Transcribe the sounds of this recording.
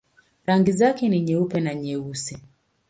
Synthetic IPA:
ɾaŋɡizakɛniɲɛupɛnaɲɛusɛ

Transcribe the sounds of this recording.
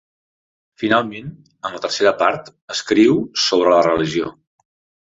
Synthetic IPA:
finalˠmen | əmlət̪əɾseɾəpaɾt̪ | əskɾiwsoβ̞ɾələrəliʒio̰

